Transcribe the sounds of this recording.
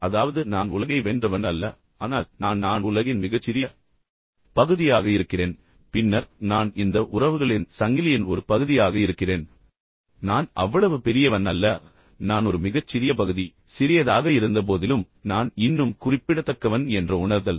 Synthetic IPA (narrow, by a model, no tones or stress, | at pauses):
ɐðaːʋɐðɯnaːnʊlɐɣɐɪʋendrɐʋɐnɐlːɐ | aːnaːlnaːnnaːnʊlɐɣɪnmɪɣɐt͡ʃːɪɾɪjɐ | pɐɣɯðɪjaːɣɐɪɾɯkːɪreːn | pɪnːɐɾnaːnɪnd̪ɐʔʊrɐʋɯɣɐɭɪnsɐŋɡɪlɪjɪnɔɾɯpɐɣɯðɪjaːɣɐɪɾɯkːɪreːn | naːnɐ̰ʋːɐɭɐʋɯpɛɾɪjɐʋɐnɐlːɐ | naːnɔɾɯmɪɣɐt͡ʃːɪɾɪjɐpɐɣɯði | sɪɾɪjɐðaːɣɐɪɾɯnd̪ɐp̬oːðɪlɯm | naːnɪnːɯmkʊrɪpːɪɽɐt̪ːɐkːɐʋɐnɛndrɐʊɳɐɾðɐl